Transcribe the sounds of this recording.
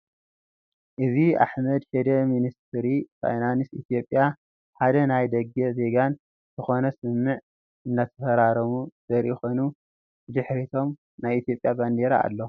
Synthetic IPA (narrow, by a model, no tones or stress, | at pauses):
ʔɨzia̰ħmɐd̪ħed̪ɐminist̪ʰɾifa̰jnanisit̪ʰijo̞pʼːja | ħad̪ɐnajd̪ɐɡɐze̞ɡan | z̥ɨxo̞nɐsɨmːɨʕ | ʔɨnːat̪ʰɐ̥fɐɾaɾɐmuz̥ɐɾjɪxonu | ɨd̪ɨħɾit̪ʰo̞m | najit̪ʰjo̞pʼːjaband̪eɾa̰ːlːo